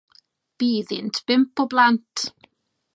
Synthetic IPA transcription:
b̥iːðɪntʰb̥ɪmpɔblantʰ

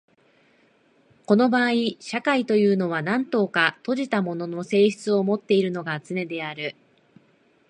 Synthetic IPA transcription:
ko̞no̞baːiɕakait̪o̞jɯ̟ːno̞β̞anãnt̪o̞ːkat̪o̞ʑit̪amo̞no̞no̞se̞ːçi̥t͡sɨo̞mo̞t̪ːe̞iɾɯ̟no̞ɡat͡sɨne̞d̪e̞aɾɯ̟

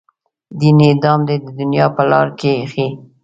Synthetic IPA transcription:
d̪inːd̪ɑmd̪ed̪əd̪ʊnjɑpəlɑɾkexi

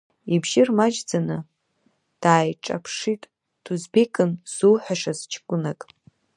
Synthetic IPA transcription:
ibʒɪrmad͡ʒd͡zanɨ | d̥aːjʈ͡ʂʼa̰pʰʂitʼ | d̥ʰuzbekʼɨnz̥uħʷᶣaʂazt͡ʃʰkʷʼʊnakʼ

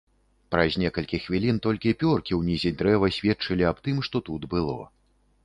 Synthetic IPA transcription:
pɾɐzʲnʲɛkɐlʲkʲixːvʲilʲint̪ɔlʲkʲipʲɔrkʲiwnʲizʲid̪ɾɛvɐsʲvʲɛt̪t͡ʂɨlʲiap̚t̪ɨmʂt̪ɔt̪ud̪bɨlˠɔ̰

